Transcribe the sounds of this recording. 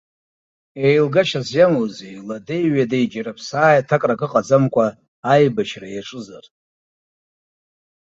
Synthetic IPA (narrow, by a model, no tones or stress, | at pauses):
ejlɡaʃazjamozejladejɥadajd͡ʒaɾapʰsaːjatʰakʼrakʼɨqʼad͡zamkʷʼaː | jbaʃrajaʈ͡ʂʼɨzar